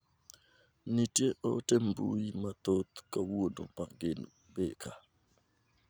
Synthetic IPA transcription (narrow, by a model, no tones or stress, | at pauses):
nitjeʔɔtembṵjimat̪ot̪kawuodɔ̰pakɡɪn | bekʰa